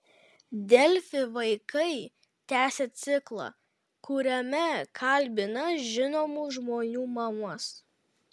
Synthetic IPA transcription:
d̪ʲɛlʲfʲɪʋɐɪkɐɪ | t̪ʲæːsʲɛt̪sʲɪklˠɑ̰ː | kʊɾʲɛmʲɛkʰɐlʲbʲɪnɐʒʲɪnoːmuːʒmoːnʲuːmɐmʊs

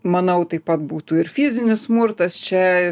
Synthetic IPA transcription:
mɐnɐʊt̪ɐɪpɐt̪̚buːt̪uɪɾfʲɪzʲɪnʲɪssmʊrt̪ɐst͡ʃʲɛ

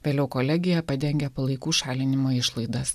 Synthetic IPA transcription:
ʋʲeːlʲɛʊkoːlʲɛɡʲɪjɛpɐd̪ʲɛŋʲɡʲɛpɐlˠɐɪkuːʃɑːlʲɪnʲɪmoːɪʃlˠɐɪd̪ɐs

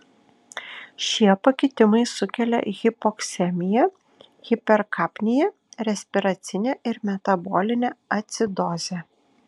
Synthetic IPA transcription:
ʃʲiɛpɐkʲɪɪt̪ʲɪmɐɪsʊkʲɛlʲɛ̰ɣʲɪpɔksʲɛmʲɪjɛ | ɣʲɪpʲɛɾkʰɑːpʲnʲɪjɛ | ɾʲɛsʲpʲɪɾɐt̪sʲɪnʲeɪɾmʲɛt̪ɐbɔːlʲɪnʲɛɐt̪ʲsʲɪd̪ɔzʲɛ

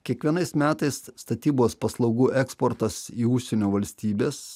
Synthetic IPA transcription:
kʲiɛkʋʲiɛnɐɪsmʲæːt̪ɐɪsːt̪ɐt̪ʲiːboːspɐslˠɐʊɡuːʔɛkspoɾt̪ɐsiːʊʃʲsʲenʲoːʋɐlʲsʲt̪ʲiːbʲeːs

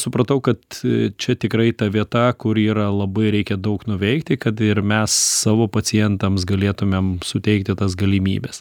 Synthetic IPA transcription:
sʊpɾɐt̪ɐʊkɐt̪t͡ʃʲɛt̪ʲɪkɾɐɪt̪ɐʋʲiɛt̪ɐkʊɾiːɾɐlˠɐbɐɪɾʲɛɪkʲɛd̪ɐʊknʊʋʲɛɪkt̪ʲɪkɐt̪ɪrmʲɛsːɑːʋoːpɐt͡s̪ʲɪjɛnt̪ɐmsɡɐlʲeːt̪ʊmʲemsʊt̪ʲɛɪkt̪ʲɪt̪ɐs̬ɡɐlʲimʲḭːbʲɛs

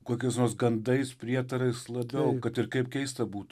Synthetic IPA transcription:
koːkʲɛɪsnoːsɡɐnd̪ɐɪspʲɾʲiɛt̪ɐɾɐɪslˠɐbʲɛʊkɐt̪ɪɾkɐɪpkʲɛɪst̪ɐbuːt̪ː

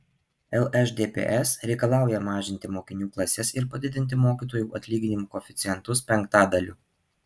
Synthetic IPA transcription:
ɛlˠɛʃd̪ʲeːpʲḛːʔɛsɾʲɛɪkɐlˠɑˑʊjɛmɑːʒʲɪnʲt̪ʲɪmoːkʲɪnʲuːklˠɐsʲɛsɪɾpɐd̪ʲɪd̪ʲɪnʲt̪ʲɪmoːkʲiːt̪oːjuːʔɐt̪ʲlʲiːɡʲɪnʲɪmuːkɔːfʲɪt̪sʲɪjɛnt̪ʊspʲɛŋkt̪ɑːd̪ɐlʲṵː

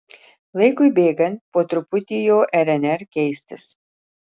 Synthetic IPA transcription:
lˠɐɪkʊɪbʲeːɡɐnt̪poːt̪ɾʊpʊt̪ʲɪjoːʔɛɾʲɛnʲɛɾkʲɛɪsʲt̪ʲɪs

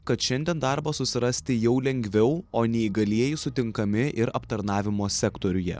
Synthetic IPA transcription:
kɐt̪ʃʲɛnʲd̪ʲɛnd̪ɑˑɾbɐsʊsʲɪɾɐsʲt̪ʲɪjɛʊlʲɛŋʲɡʲʋʲɛʊoːnʲɛiɡɐlʲiɛjɪsʊt̪ʲɪŋkɐmʲɪʔɪɾɐpt̪ɐɾnɑːʋʲɪmoːsʲɛkt̪oːɾʲʊjɛ̰

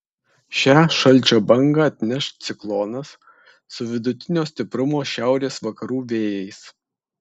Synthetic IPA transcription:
ʃʲæːʃɐlʲˑt͡ʃʲoːbɐŋɡɐˑɐt̪ʲnʲɛʃt̪ʲt̪sʲɪklˠɔːnɐs | sʊʋʲɪd̪ʊt̪ʲɪnʲoːsʲt̪ʲɪpɾʊmoːʃʲæˑʊɾʲeːsʋɐkɐɾuːʋʲeːjɛɪs

